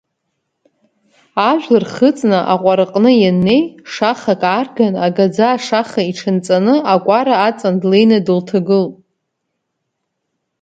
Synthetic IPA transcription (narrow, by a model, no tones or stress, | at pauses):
aʒᶣʷlɨrχət͡sʼnɨʔaqʷʼaɾɨqʼnɨjanːe̞jʂaχakʼarɡanaɡad͡zaːʂaχaiʈ͡ʂʰɨnt͡sʼanɨakʷʼaɾaːt͡sʼandlejnɨdɨltʰaɡɨlʼ